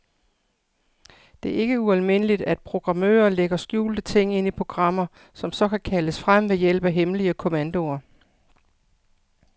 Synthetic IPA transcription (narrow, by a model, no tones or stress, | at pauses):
d̥e̝æɐe̝ɡ̥əuælme̝n̰əlid̥æd̥̚pʰʁo̝ɡ̥ʁɑ̈mø̰ːɐleɡ̥ɐsɡ̥jṵːld̥ət͡sʰe̝ŋ̰e̝n̰ipʰʁo̝ɡ̥ʁɑ̈m̰ɐ | sɒ̽msɒ̽kʰækʰæləsfʁam̰ʋe̝jel̰b̥æɦemliəkʰo̝mænd̥o̝ɐ